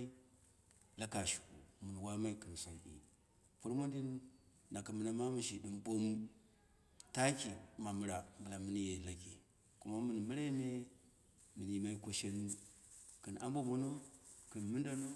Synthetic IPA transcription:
i˦ | la˦ka˨ʃu̥˨kṵ˨mu˨n˨wa˦ma˦i˦kɨ˨n˨so˨nḭ˨ | fu˦ɾmo˦ndi˦nː | a˨ka˨mɨ˨na˨ma˦mu˨ʃi˨di˨mɓo˦m˦ | ta˦ki˨ma˨mɨ˨ɾa˨mbu˨la˨mɨ˨˦ni˦je˨la˨kḭ˨ | ku˦ma˦mɨ˨n˨mɨ˦ɾa˦me˦ | mɨ˨ni˨ma˦i˦ko˨ʃe˦n˦u˨ | kɨ˨na˦mbo˦mo˨no˦kɨ˨nmɨ˦nda˦no˦

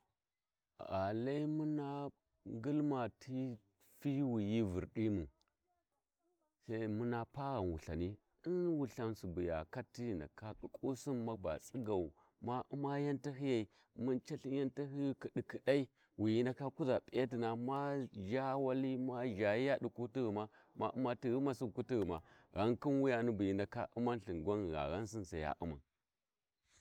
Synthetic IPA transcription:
a˨la˦i˦mu˦na˦ | ŋɡi˦lma˨tʰi˦ | fi˦wi˨ji˦vṵ˨ɾɗi˦mu˨ | sa˦mu˦na˦pa˦ɣa˨nwu˨ɬa̰˨ni˦ | i˦nwu˨ɬa˨˦nsu˨bu˨ja̰˨ka˦tːi˦˨na̰˨ka˦ku˨kʼu˦si˦nma˦ba̰˨t͡sʼi˦ɡa˨u˨ | ma˦ʔu˦ma˦ja˦nta˦ɦi˦ja˨i˨ | mu˦nt͡ʃa˦ɬi˦ja˦nta˦ɦi˦jki˨ɗi˨ki˨da˦i˦ | wi˨ji˦nda˨ka˦ku˦za˨pʼe˦ti˨na˨ma˦ʒa˦wa˦li˦ma˦ʒa˨ji˦ja˦ɗu˨ku˦ti˦ɣi˨ma˦ | ma̰˦ʔu˦ma˦ti˦ɣi˦ma˨su˦˨ku˦ti˦ɣi˨ma̰˨ɣa˦ŋki˦nwu˦ja˨ni˦bu˨ji˨nda˨ka̰˦ʔu˦ma˦nɬi˨ɡʷa˦n˨ɣa̰˨ɣa˦ns̬i˦nsa˨ja̰˦ʔṵ˦ma̰˨

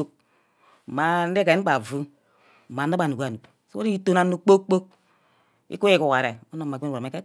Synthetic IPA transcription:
o˦k̚ | ma˨n̩˦de˦ka˨˦k͡pa˨vu˦˨ | ma˨n˦a˦ba˨nu˨˦a˨nu˨ | so˦o˦ɾi˦i˦to˦na˨nu˨k͡po˦kk͡po˦k̚ | ḭ˦ku˦i˦ku˨wa˨ɾe˨o˦no˨m˨˦˨o˨me˦ke˦

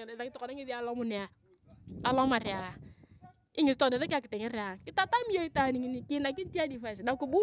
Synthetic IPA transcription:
ta˨kɪ˦tɔ˨kɔ˨na˦ŋi˦ði˦a˦lɔ˦mʊ˨ne˨a˨ | a˨lɔ˦ma˨re˨a˨ | ɪ˦ŋɪ˨s̬tɔ˨nɛ˨ðɛ˦ka˨kɪ˨tɛ˨ŋɛ˦ɾja˨kɪ˦ta˦ta˦mi˦jo˦i˦ta˨ni˨ŋi˦ni˦ki˦na˨k̬i˦nti˦a˦di˨fa˦˨s̬da˨˦ku˨bu˦

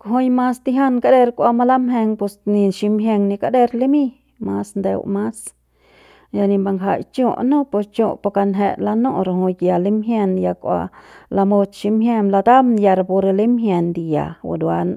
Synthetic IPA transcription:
kɦo˧jma˧st̪i˧ɦa˦nka˦d̪e˧ɾkʷa˧ma˧la˦mɦe˧ŋpe˧sni˧ʃi˧mɦje˧ŋni˧ka˧˦d̪e˧ɾli˦mi˦˧ | ma˧snd̪ḛ˧wma˦s | ja˧ni˧mba˧ŋʰa̰˧˨jt͡ʃo˧ʔnõ˦po˧t͡ʃo˧po˧ka˧nɦe˧la˧no˦˧ɾho˧jja˧li˦mɦje˧nja˧kʷa̰˧la˧mo˧t̪ʃi˧mɦje˧mla˧t̪a˦mja˧ɾa˧po˧ɾe˧li˦mɦje˧nd̪i˧ja̰˨wa̰˨d̪wa˧n

